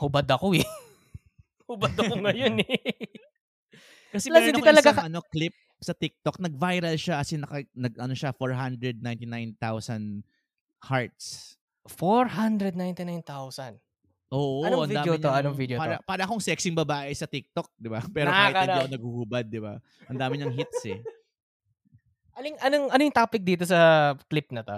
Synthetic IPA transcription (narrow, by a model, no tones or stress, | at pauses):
hʊbad̪ɐkoɛ | hʊbad̪ɐoŋɐjonɛ | kɐsɛmɐɛɾɪniɐlɐaɐɐno̞klɪp̚ | sɐt̪ɪk̚t̪ok̚nɐɡ̚vajɾɐlʃakɐsɛnɐkɐnɐɡʔɐno̞ʃafoɹɦand̪ɾɛd̪̚najnt̪ɪnajnt̪awsɐn | haɹt̪s | foɹhand̪ɾɛd̪̚najnt̪ɪnajnt̪awsɐn | ʔoːʔoʔɐnvidaːjoɪɲoɐnoŋvid̪jopaːɾɐpaːɾɐʔɐko̞ŋsɛk̚sɪŋbɐbaːʔɪsɐt̪ɪk̚t̪ok̚d̪ɪbapɛːɾoaɪɪnɐnɐɡ̚huhubɐd̪̚ːɪba̰ | ʔɐnd̪aːmɪɲɐŋɦɪt̪̚sɛ | ʔɐnoŋɐnoŋɐnojʊŋt̪aːpɪk̚d̪iːt̪os̬ɐklɪp̚nɐt̪o